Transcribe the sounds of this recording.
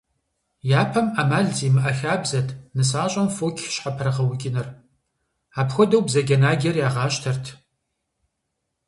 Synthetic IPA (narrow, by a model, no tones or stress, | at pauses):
jaːpʰɐmamaːɮziːmɨʔɐxaːbzɐtʰnɨsaːɕʼɐmfoːkʲʰɕħapʰɐɾɐʁɐwʊkʲʼɪnɐr | aːpxʷɔdɐwbzɐɡʲɐnaːɡʲɐrjaːʁɑːɕtʰɐrtʰ